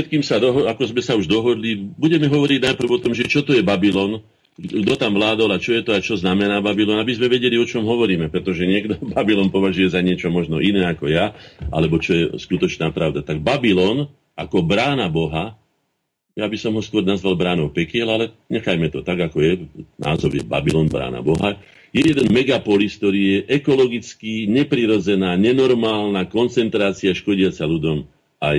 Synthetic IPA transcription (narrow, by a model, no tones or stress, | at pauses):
ɛt̪kiːmsad̪ɔɦɔakɔzmɛsauʒd̪ɔɦɔd̪libuɟɛmɛɦɔʋɔɾiɟnajpr̩vɔt̪ɔmʒɛt͡ʃɔt̪ɔjɛbabilɔn | ɡd̪ɔt̪amʋlaːd̪ɔlat͡ʃɔjɛt̪ɔat͡ʃɔznamɛnaːbabilɔnabizmɛʋɛɟɛliɔt͡ʃɔmɦɔʋɔɾiːmɛpɾɛt̪ɔʒɛɲɪɛɡd̪ɔbabilɔnpɔʋaʒujɛzaɲɪɛt͡ʃɔmɔʒnɔʔinɛːakɔjaʔa̰lɛbɔt͡ʃɔjɛskut̪ɔt͡ʃnaːpɾaʊd̪at̪aɡ̚babilɔn | ʔakɔbɾaːnabɔɦa | jabisɔmɦɔskʊɔɾnazʋalbɾaːnɔʊpɛkɪɛlalɛ | ɲɛxajmɛt̪ɔt̪aɡakɔjɛnʔa̰ːzɔʊjɛ̰ba̰bilɔnbɾa̰ːna̰bɔɦa | jɛjɛd̪ɛnmɛɡapɔlisk̚t̪ɔɾiːjɛʔɛkɔlɔɡit͡skiːɲɛpɾiɾɔd͡zɛnaːɲɛnɔɾmaːlnakɔnt͡sɛnt̪ɾaːt͡siaʃkɔɟɪat͡saludɔm | aj